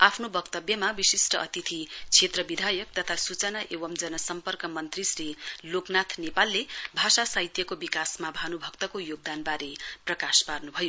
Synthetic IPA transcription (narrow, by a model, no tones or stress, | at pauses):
apʰnobʌkt̪ʌbjʌmabisisʈʌʔʌt̪it̪ʰit͡sʰet̪rʌbid̪ʱajʌk̚t̪ʌt̪ʰasut͡sʌnaʔebʌmd͡zʌnʌsʌmpʌrkʌmʌnt̪risriloknat̪ʰnepalːebʱasasajt̪jʌkobikasmabʱanubʱʌk̚t̪ʌkojoɡ̚d̪anbaɾeprʌkasparnubʱʌjo